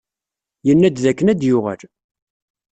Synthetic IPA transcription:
jənːæd̪ðækːənæd̪jʊʁæ̰l

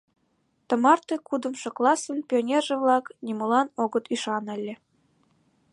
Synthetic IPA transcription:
t̪ə̆mɑrt̪ekud̪ə̆mʃɤ̆klɑsə̆npʲionʲerʒĕβlɑknʲimolɑnoɣət̪yʃɑnə̆lʲːɘ̆

